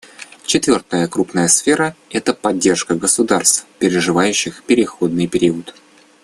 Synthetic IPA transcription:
t͡ɕɪt̪vʲo̞rt̪əjəkɾupnəjəsfʲe̞ɾəɛt̪əpɐdʲːe̞rʂkəɡəsʊd̪arst̪fpʲɪɾʲɪʐɨvajʉɕːɪxpʲɪɾʲɪxo̞d̪̚nɨjpʲɪɾʲiʊət̪

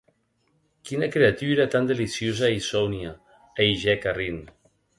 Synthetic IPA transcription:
kinakɾeat̪yɾat̪and̪elisjozaisɔwnja | ejʒɛkarin

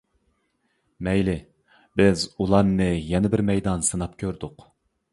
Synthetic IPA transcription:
mɛjlɪ | bɪzulˠɑnːɨjɛnɪbɪɾmɛjd̪ɑnsɨnɑp̚kʲʰøɾd̪ʊq

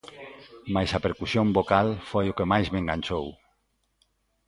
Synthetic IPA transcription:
majsapeɾkusjombokalfojokemajzmeŋɡaɲʲt͡ʃow

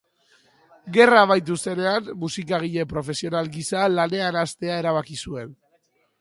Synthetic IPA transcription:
ɡe̞raβ̞ajt̪̬use̞ne̞anmusikaɣ̞iʎe̞pɾo̞fe̞sio̞nalɡisalane̞anast̪e̞ae̞ɾaβ̞akisue̞n

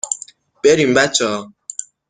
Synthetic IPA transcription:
beɾim̩bat͡ʃɔː

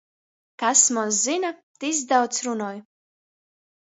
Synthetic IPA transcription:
kasmunszinat̪izd̪awt̪sɾunɔːj

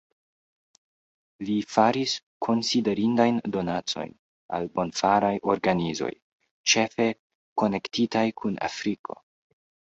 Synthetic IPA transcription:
lifaɾis | kʰo̞nside̞ɾindajndo̞nat͡so̞̰jn | a̰lbo̞nfaɾajʔo̞ɾɡanizo̞̰j | t͡ʃe̞fe̞ | ko̞ne̞ktitajkʰuna̰fɾikʰo̞̰

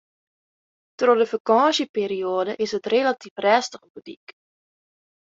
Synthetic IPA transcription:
trodəfəkɑːʃəpeːɾioədəʔɪsətrelatifrɛːstəχəbytḭk

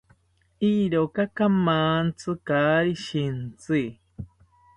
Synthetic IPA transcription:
iɾokakamaːnt͡sʰɨkaːɾiʃint͡si

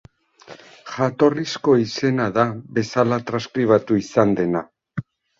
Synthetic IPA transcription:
xat̪o̞risko̞ise̞naðaβe̞salat̪ɾaskɾiβ̞at̪uisand̪e̞na

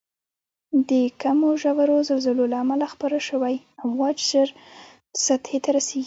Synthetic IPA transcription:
d̪əkamoʒawaɾozalzɪlolaːmalaxpaɾaʃəwaj | amwɑd͡ʒzəɾ | sat̪het̪aɾaseɡi

